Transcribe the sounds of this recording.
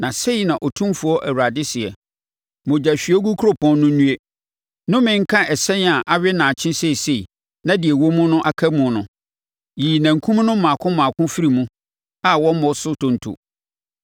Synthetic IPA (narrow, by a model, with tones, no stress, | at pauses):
nã˨se˦i˨nã˨ʔɔ˨tʰũ˦mfu˨ɔ˦ʔæ˨wa˨dɪ˦sɪ˨ɛ˨ | mʊ̃˨d͡ʑa˨ɕᶣɥɛ˦ɡu˦kʰu˦ɾo˦pʰɔ̃˦nːʊ̃˦ũ˦e˦ | nʊ̃˦mɪ̃˦ŋ̩˦kʰã˦ʔɛ˨sɛ̃˦n˦a˨ʔa˦ɥɪ˦nã˨t͡ɕʰɪ̃˦se˦i˨se˨i˨ | nã˦dɪ˨ɛ˨wo˦mʊ̃˦nʊ̃˦ʔa˦kʰa˦mʊ̃˨nʊ̰̃˨ | jiː˨næ̃˨ŋ̩˨kʰũ˦m˦nʊ̃˦m̩˦mãː˨kʰʊ̃˦mãː˨kʰʊ̃˦fi˦ɾi˨mũ˦ | a˦˨wɔ̃˦m˦mɔ̃˨sʊ˦tʰʊ̃˨n˨tʰṵ˨